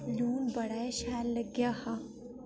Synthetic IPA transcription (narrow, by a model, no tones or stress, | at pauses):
luːmbɐɽaːeʃaːlːɐɡjaha